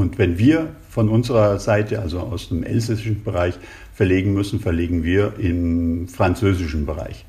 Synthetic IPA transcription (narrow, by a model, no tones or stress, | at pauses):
ʊntvɛnviːɐ | fɔnʊnzəʁɐzaɪtəalzoa̰ʊsd̥emʔɛ̰lzɛsɪʃn̩bəʁaɪç | fɛɐleːɡŋ̩mʏsn̩fɛɐleːɡŋ̩viːɐɪmfʁ̥ant͡søːzɪʃn̩bəʁa̰ɪç